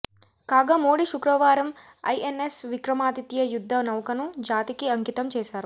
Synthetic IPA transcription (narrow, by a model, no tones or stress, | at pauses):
kaːɡaːmoːɽiʃukɾɐʋaːɾɐm | ɐ̰jʔenesʋikɾɐmaːt̪it̪jɐjud̪ʱːɐnɐwkɐnud͡ʒaːt̪ikiɐŋkit̪ɐmt͡ʃɛːʃaːɾu